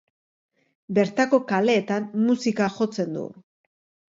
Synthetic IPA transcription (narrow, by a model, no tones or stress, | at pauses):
be̞ɾt̪ako̞kale̞ːt̪amːusikaʝo̞t͡se̞nd̪ṵ